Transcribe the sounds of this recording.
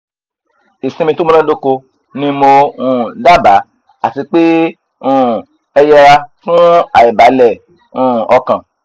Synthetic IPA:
i˨sĩ˧mĩ˧to˦mõ˦lã˦do˦ko˧ | nĩ˧mo˧ũ˦˨da˦˨ba˨˦ | a˦˨ti˧k͡pe˦ | ũ˦˨ | ɛ˧jɛ˧ɾa˧fũ˦a˨ɛ˨ba˨˦lɛ˦˨ | ũ˦˨ɔ˧kã˨

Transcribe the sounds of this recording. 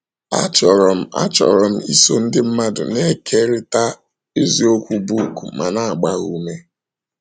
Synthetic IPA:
a̰˦t͡ʃɔ˨ɾɔ˨m̩˦a̰˦t͡ʃɔ̰˨ɾɔ˨m̩˦i˦so˦n̩˦dɪ˦m̩˦ma˦dʊ̰˨ne˦kʰe˦ɾɪ˦ta˦ | e˦zi˨o˦kʷu˦bu˦˨kṵ˨ma̰˨na˦˨ɡ͡ba˦ɣu˦me˦

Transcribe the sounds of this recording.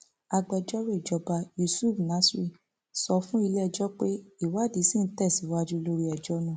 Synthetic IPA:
a˧ɡ͡bɛ˧˨d͡ʒɔ˦ɾe˦˨d͡ʒɔ˧˦ba˧ju˧˨su˦˨fna˨˦sɾi˦˨ | sɔ˧fũ˦i˧lɛ˦˧˨d͡ʒɔ˦k͡pe˦i˦˨wa˨˦˨di˨˦si˦n̩˦tɛ˦˨si˨˦wa˧d͡ʒu˦lo˦ɾi˦ɛ˨d͡ʒɔ˦nũ˦˨

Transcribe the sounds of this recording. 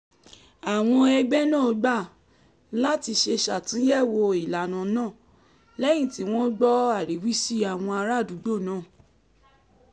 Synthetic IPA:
a˨w̃ɔ̃˧ɛ˧ɡ͡bɛ˦nã˦˨o˧˦ɡ͡ba˦˨ | la˦ti˧ʃe˧ʃa˨tĩ˨˦jɛ˦˨wo˧i˨la˨˦nã˨˦nãː˦˨ | lɛ˦j̃ĩ˦˨ti˨˦w̃ɔ̃˦ɡ͡bɔ˦a˦˨ɾi˨˦wi˦si˦a˦˨w̃ɔ̃˧a˧ɾa˦˨du˨˦ɡ͡bo˦˨nãː˦˨

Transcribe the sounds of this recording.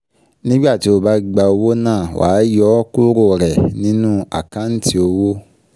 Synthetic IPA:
nĩ˦ɡ͡ba˦˨ti˨˦o˦˧ba˧˦˨ɡ͡ba˧o˧wo˦nãː˦˨wa̰ː˨˦jɔ˦ku˦ɾo˦˨ɾɛ˨nĩ˦nũ˦a̰˨kã˦n̩˦ti˦o˧wo˦

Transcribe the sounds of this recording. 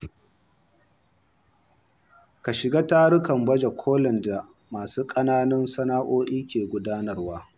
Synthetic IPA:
ka˨ʃɪ˨ɡaː˦taː˦ɽʊ˦kɐ˨mbɐ˦d͡ʒa˨kʷʰoː˦lɐ˨nda˨ | maː˨suː˦kʼɐ˦naː˦nɐ˦nsɐ˦naː˦ʔoː˦ʔiː˦kʲeː˨ɡʷʊ˦daː˦nɐ˨rwaː˦

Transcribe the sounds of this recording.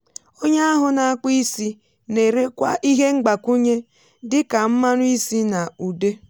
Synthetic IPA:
o˦ɲa˦a˦ɦʊ˨na˨a˦k͡pii˦si˦ | ne˨ɾe˦kʷa˦ʔi˦ɦe˦ŋ͡m̩˦ɡ͡ba˨ku˦ɲe˦ | dɪ˦ka˨m̩˦ma˦nʊ˦i˦si˦na˨u˨de˦

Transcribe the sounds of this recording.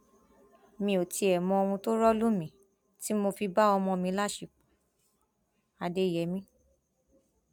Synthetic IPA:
mĩ˧o˨ti˧ɛ˨mɔ̃˧o˧w̃ũ˧to˦ɾɔ˦lu˦mĩ˨˦ | ti˦mo˧fi˧ba˦ɔ˧mɔ̃˧mĩ˧˦la˦˨ʃi˨ | a˨de˧˨jɛ˨˦mĩ˧˦

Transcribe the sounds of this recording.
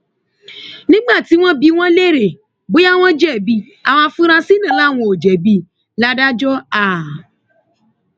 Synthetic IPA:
nĩ˦ɡ͡ba˦˨ti˨˦w̃ɔ̃˦bi˧w̃ɔ̃˦le˦˨ɾe˨ | ɡ͡bo˨˦a˦w̃ɔ̃˦d͡ʒɛ˦˨bi˧ | a˨w̃ɔ̃˧fũ˦ɾ̃ã˧si˦nã˦˨la˦˨w̃ɔ̃˧˨o˨d͡ʒɛ˨bi˦ | la˦da˦d͡ʒɔ˦a˦˨

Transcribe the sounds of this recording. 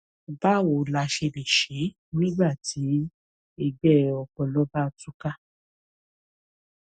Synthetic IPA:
ba˦˨wo˨la˧ʃe˧le˨ʃe˨˦ | nĩ˦ɡ͡ba˦˨tʰi˨˦ | e˧ɡ͡bɛ˦ɔ˧kɔ˧lɔ˦ba˦˨tu˦ka˦

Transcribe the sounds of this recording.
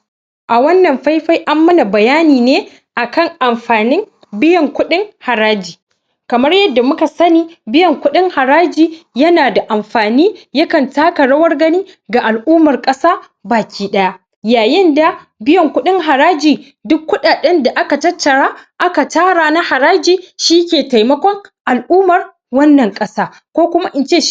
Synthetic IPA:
ʔa˨wɐ˦nːɐ˨mɸa˦jɸa˦jʔa˦mːɐ˦na˨bɐ˨jaː˦niː˨neː˦ | ʔa˨kɐ˦˨ŋʔa˨mɸaː˨nɪ˦ŋ | bɪ˦jɐ˨ŋkʷʊ˦ɗɪ˦ŋha˨ɾaː˦d͡ʒiː˨ | kɐ˨mɐ˦rjɐ˦dːa˨mʊ˦ka˨sɐ˦niː˦bɪ˦jɐ˨ŋkʷʊ˦ɗɪ˦ŋha˨ɾaː˦d͡ʒiː˨jɐ˦naː˨da˨ʔa˨mɸaː˨niː˦jɐ˦kɐ˨ntaː˦ka˨ɽɐ˦wɐ˦rɡɐ˦niː˦ɡa˨ʔa˨lʔuː˦mɐ˨rkʼɐ˦saː˦ | baː˨kʲiː˦ɗɐ˦ja˦ | jaː˨jɪ˦nda˨bɪ˦jɐ˨ŋkʷʊ˦ɗɪ˦ŋɦa˨ɾaː˦d͡ʒiː˨ | dʊ˦kːʊ˦ɗaː˨ɗɛ˦nda˨ʔa˦ka˨tɐ˦tːɐ˨ɽaː˦ʔa˦ka˨taː˦ɽaː˨na˦ha˨ɾaː˦d͡ʒiː˨ʃi˦kʲeː˨ta˨jmɐ˦kʷɔ˦ŋʔa˨lʔuː˦mɐ˨r | wɐ˦nːɐ˨ŋkʼɐ˦saː˦ | kʷoː˦kʷʊ˦ma˦ʔɪ˨nt͡ʃeː˦˨

